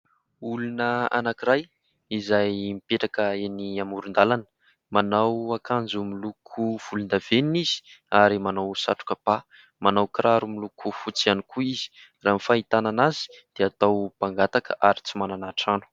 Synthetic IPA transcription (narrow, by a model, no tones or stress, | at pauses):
ulunəa̰nakiɾaj | izajmipeʈ͡ʂakəeniamuɾund̪alanə̥ | manawakʰand͡zumilukʰuv̥ulund̪av̥eninizi̥aɾimanawsa̰ʈ͡ʂu̥kəb̥a | manawkɾaɾumilukʰufut͡sianikuiz̥i̥ramifait̪ananazi̥d̪̥eat̪awpaŋɡat̪akə̰ʔaɾit͡simananaʈ͡ʂanu̥